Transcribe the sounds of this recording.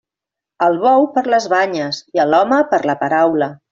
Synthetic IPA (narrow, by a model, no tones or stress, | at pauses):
əlˠβɔwpəɾləzβaɲəziəlɔməpəɾləpəɾawlə